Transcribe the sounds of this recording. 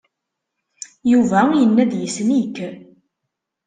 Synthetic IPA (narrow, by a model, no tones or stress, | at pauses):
juvæjənːæðjəsnik